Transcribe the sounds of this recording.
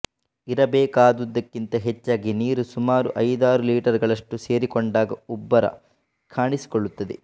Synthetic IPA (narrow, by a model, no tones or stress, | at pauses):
iɾɐbeːkaːd̪ud̪ːɐkːint̪ɐɦet͡ʃːaːɡiniːɾusumaːɾṵʔɐjd̪aːɾuliːʈɐɾɡɐɭɐʂʈuse̞ːɾikoɳɖaːɡɐubːɐɾɐ̰ | kʰaːɳisi̥koɭːut̪ːɐd̪e